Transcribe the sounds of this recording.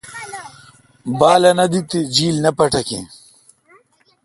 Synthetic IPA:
baːlɐnɐd̪it̪id͡ʑiːlnɐpɐʈɐkḭ̃

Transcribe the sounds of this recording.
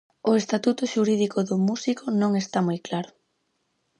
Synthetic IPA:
ʊest̪at̪ut̪ʊʃuɾiðikʊðʊmusikʊnõŋest̪amojklaɾʊ

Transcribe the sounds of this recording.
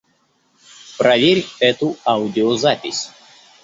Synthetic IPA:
pɾavʲiɾʲpɛt̪uawd̪iozat̪ʲis

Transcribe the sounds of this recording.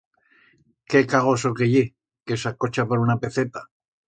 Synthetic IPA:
ke̞kaɣosokeʝe | kesako̞t͡ʃapaɾunape̞θet̪a

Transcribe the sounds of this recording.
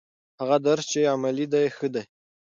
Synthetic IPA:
haɣad̪aɾst͡ʃeamalid̪ajxəd̪aj

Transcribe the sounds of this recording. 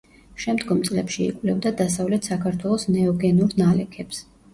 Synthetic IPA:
ʃɛmd̪ɡɔmt̪sʼlɛpʃiḭkʼwvlɛvd̪ad̪asavlɛt̪ʰsakʰaɾt̪ʰwɛlˠɔsnɛɔɡɛnuɾnalɛkʰɛps

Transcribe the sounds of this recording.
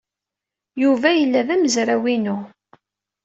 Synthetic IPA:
juvæjəlːæðæməzɾæwinu

